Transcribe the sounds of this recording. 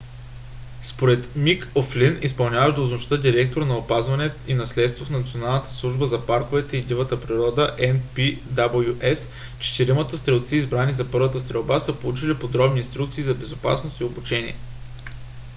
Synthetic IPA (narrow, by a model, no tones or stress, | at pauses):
spoɾɛt̪mikoflinispɐlˠnʲjavəʒd̪ɐʊznʊʃt̪əd̪iɾɛk̚t̪oɾnɐopazvɐnɛinɐslɛt̪st̪vofnɐt̪sionalˠnət̪ə̥slˠuʒbəzɐpaɾkovɛt̪ɛid̪ivət̪əpɾiɾɔd̪əʔɛnpid̪abəjuʔɛs | t͡ʃɛ̥t̪iɾimət̪əst̪ɾɛlˠt̪siːzbɾanizɐpɤɾvət̪əst̪ɾɛlˠbasəpolˠut͡ʃilipod̪ɾɔbninst̪ɾuk̚t̪siːzɐbɛzopa̰snost̪iobut͡ʃɛnʲḭɛ